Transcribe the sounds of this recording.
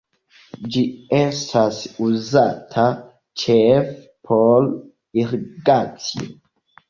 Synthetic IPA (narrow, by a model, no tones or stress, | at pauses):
d͡ʒiestʰasuzatʰa | t͡ʃef | pʰol | iɾɡat͡sio̰